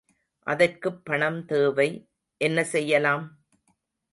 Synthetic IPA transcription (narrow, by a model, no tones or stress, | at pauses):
ʔɐðɐrkɯpːɐɳɐmt̪eːʋɐɪ | ʔɛnːɐsɛjːɐlaːm